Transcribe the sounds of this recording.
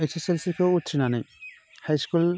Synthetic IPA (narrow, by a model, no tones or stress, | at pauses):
esʰeselsikʰowut̪ʰɾinanɯj | hajskul